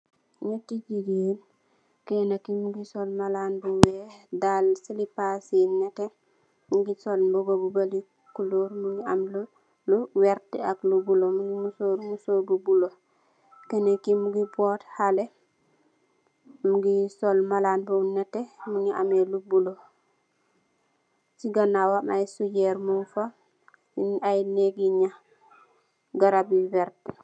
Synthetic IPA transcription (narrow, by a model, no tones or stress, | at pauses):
netid͡ʒiɡen | kenakimuɡisolmalaːnbuwedalsilipasinete | muɡisolbobobubali | kuloːɾmuɲiaml | luwɛɾteaklubulomuŋimusoɾmusoːɾbubulo | kenekimuɡibɔthale | muɡisɔlmalaːnbomnɛtːɛmuɲiʔamelubulo | siɡanawanajsujɛɾmunfa | inajneɡiɲa | ɡaɾabiwɛɾt̚